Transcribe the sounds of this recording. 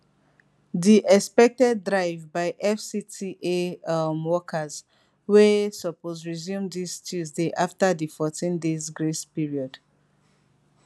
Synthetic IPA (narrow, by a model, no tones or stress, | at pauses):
diʔɛspɛk̚tɛdɹaɪvbaɪʔɛfsitʰiʔemwɔkʰəz | wesɔpozɹizjũmdistʰuzdeʔaftaðifɔtĩndezɡɹespiɹiɔd̥